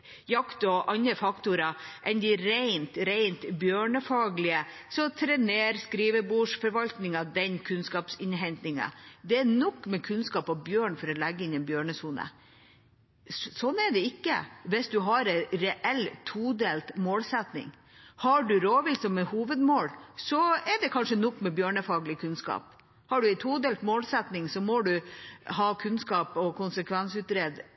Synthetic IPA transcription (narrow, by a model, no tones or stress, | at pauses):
jɑkt̪ɔʔɑnəfɑkt̪ʊɾɑʔɛnd̪ɪɾæɪnt̪ɾæɪnt̪bjøːɳəfɑːɡlɪəsɔt̪ʰɾɛneːɾskɾiːʋəbuːʂfɔɾʋɑlt̪nɪŋɑd̪ɛnkʰʉnskɑːpsɪnɦɛnt̪nɪŋɑ̰d̪ɛænɔkːmɛkʰʉnskɑːpɑʋbjøːɳfɔɾɔlæɡːəɪnɛnbjøːɳəsuːnə̰ | sɔnːæɖɛɪkːə̰ʋɪsd̪ʉɦɑɾɛɾɛʔɛlt̪ʰuːd̪eːlt̪moːlsɛt̪nɪ̰ŋ | hɑɖʉɾoːʋɪlsɔmɛhuːʋəd̪moːlsɔɛɖɛkʰɑnʂənɔkːmɛbjøːɳəfɑːɡlɪkʰʉnskɑ̰ːp | hɑɖʉɛɪt̪ʰuːd̪eːlt̪moːlsɛt̪nɪŋsɔmɔɖʉɦɑːkʰʉnskɑːpɔkʊnsəkʰʋɛnsʉːt̪ɾeːd̪